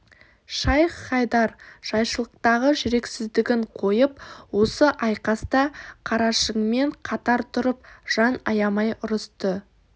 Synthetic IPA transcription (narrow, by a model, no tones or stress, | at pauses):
ʃɑjχɑjd̪ɑɾʒ̥ɑjʃəlˠəq̚t̪ɑʁəʒɪɾe̞ksɪzd̪ɪɡʲɪɴqʰo̞jəp̚wo̞səʔɑjqɑst̪ɑqʰɑɾɑʃəɴme̞ɴqʰɑt̪ɑɾt̪ʰʊɾəp̚ʒ̥ɑnɑjɑmɑjʔʊɾəst̪ə